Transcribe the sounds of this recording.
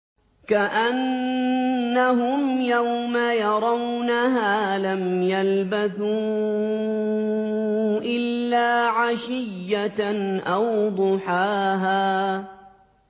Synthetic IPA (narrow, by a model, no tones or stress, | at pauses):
kaʔanː | aɦʊmjawmajɑɾˤɑwnaɦaːlamjalbaθuː | ʔɪlːaːʕaʃɪjːaʔawd̪ˤʊħaːɦaː